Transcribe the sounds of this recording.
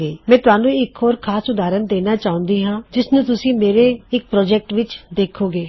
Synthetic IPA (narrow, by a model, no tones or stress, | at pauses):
eːmɛ̃ːt̪ʊaːnũːɪkoːɾkʰaːsʊd̪aːɾənd̪eːnaːt͡ʃaːʊ̃nd̪iːɦãːd͡ʒɪsnũːt̪ʊsĩːmeːɾeːɪk̚pɾɔːd͡ʒɛːk̚ʈʋɪt͡ʃd̪eːkʰoːɡeː